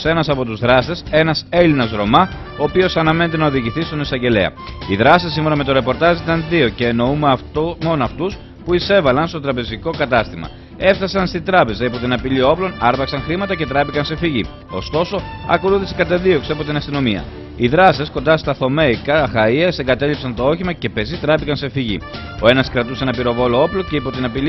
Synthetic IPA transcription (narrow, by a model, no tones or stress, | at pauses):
se̞nɐsɐpo̞t̪uzðɾɐst̪e̞se̞nɐse̞linɐzɾo̞mɐ | oːpio̞sɐnɐmene̞t̪e̞nɐoðiʝiθist̪o̞nisɐɲɟe̞le̞̰ɐ̰iðɾɐsisːimfo̞nɐmet̪o̞ɾe̞po̞ɾt̪ɐzit̪ɐnðio̞ce̞ːno̞umɐfmo̞nɐft̪us | puise̞vɐlɐnst̪ot̪ɾɐpe̞ziko̞kɐt̪ɐst̪imɐ̰ | e̞fθɐsɐnst̪id̪ɾɐpe̞zɐipo̞t̪inɐpilio̞plo̞nɐɾðɐksɐŋxɾimɐt̪ɐce̞t̪ɾɐpikɐnse̞fiʝi | o̞̰st̪o̞so̞ɐ̰koluθisekɐt̪ɐðio̞kseɐpo̞t̪inɐst̪ino̞miɐ̰ | iðɾɐsesko̞nd̪ɐst̪ɐθo̞me̞ikɐxɐiɐseŋɡɐt̪e̞lipsɐnt̪o̞o̞çimɐce̞pe̞zit̪ɾɐpikɐnse̞fiʝḭ | o̞e̞nɐskɾɐt̪usenɐpiɾo̞vo̞lo̞o̞ploce̞ipo̞t̪inɐpili